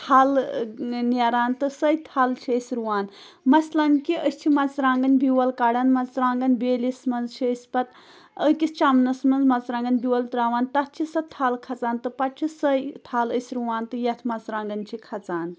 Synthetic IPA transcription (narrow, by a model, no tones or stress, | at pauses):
t̪ʰaːl | neɾaːnt̪ɨsəjt̪ʰaːlt͡ʃʰiəsʲɾuwaːn | mɐslɐnkiəst͡ʃʰimɐt͡sɾaːŋɡɐnbiwɐlkaːɽɐnmɐt͡sɾaːŋɡɐnbeːlismɐnzt͡ʃʰiəsʲpɐt̪ | əkist͡ʃamnɐsmɐnzmɐt͡sɾãːŋɡɐnbiwɐlt̪ɾaːʋaːnt̪ɐt̪̚t͡ʃʰisɐt̪ʰaːlkʰɐt͡saːnt̪ɨpɐʈ̚t͡ʃʰisəjt̪ʰaːləsʲɾuwaːnt̪ɨjɐt̪ʰmɐt͡sɾãːŋɡɐnt͡ʃʰikʰɐt͡saːn